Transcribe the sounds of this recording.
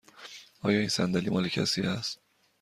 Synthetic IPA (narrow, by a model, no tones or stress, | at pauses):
ɒːjɒːiːnsænd̪æliːmɒːlecʰæ̰siːæst̪